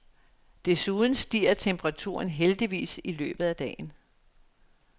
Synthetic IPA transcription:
d̥e̝suːðˠn̩sd̥ḭːɐt͡sʰemb̥əʁɑ̈t͡sʰṵːɐnɦeld̥iʋḭːsilø̰ːb̥ð̞̩ˠæd̥ɛ̰ːn̩

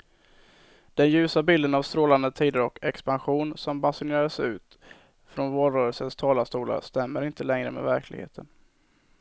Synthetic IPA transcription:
d̪̥ɛnjʉ̟ːsabɪld̪ənavst̪ɾoːland̪ət̪ʰiːd̪əɾɔkɛkspanɧuːnsɔmbasʊneːɾaəsʉ̟̰ːt̪ | fɾɔnvoːɾœːɾəlsənst̪ʰɑːlast̪uːla̰st̪ɛmːəɾɪnt̪əlɛŋɾə̰mɛ̰væɾkʰlɪ̰ɡhḛːt̪ʰən

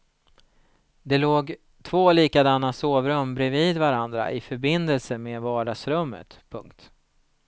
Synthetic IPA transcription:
d̪ɛloːɡ | t̪ʰvoːliːkad̪anːasoːvɾɵmːbɾɛviːd̪vaɾand̪ɾa̰ʔɪfœɾbɪnd̪əlsəmeːvɑːɖasɾɵmːə̰t̪pʰɵŋkt̪

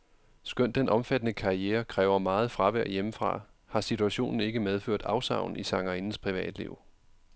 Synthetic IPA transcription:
sɡ̥øn̰d̥enʔɒ̽mfæd̥ənəkʰɑ̈ieːɐkʰʁɛːʊɐmɑ̈ːð̞̩ˠfʁɑ̈ʋæɐ̰jeməfʁɑ̰̈ | hɑ̈sit͡sʰuæɕo̝̰ːnn̩e̝ɡ̥əmeð̞ˠføɐ̰d̥ɑ̈ʊsɑ̈ʊ̰n̩isɑ̈ŋɐinn̩spʰʁiʋɛ̰ːd̥lḭʊ̰

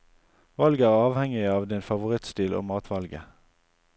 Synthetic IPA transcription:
ʋɑlɡəæːʁɑːʋhɛŋɪɑːʋd̪ɪnfɑʋʊʁɪt̪st̪iːlʔo̰ːmɑːt̪ʰʋɑlɡə̰

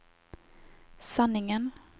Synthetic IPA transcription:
sanːɪŋən

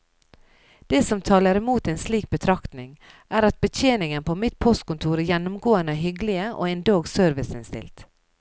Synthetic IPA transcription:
d̪̥eːsɔmt̪ʰɑːləɾɛmuːt̪ɛnsliːk̚bət̪ʰɾɑkt̪nɪŋʔæːɾɑt̪̚bət̪ʰeːnɪŋənpʰoːmɪt̪̚pʰɔst̪̚kʊnt̪ʰuːɾæjɛnːʊmɡoːənəæɦʏɡlɪəʔo̰ːɛɪnd̪oːɡsøɾʋɪsɪnst̪ɪ̰lt̪

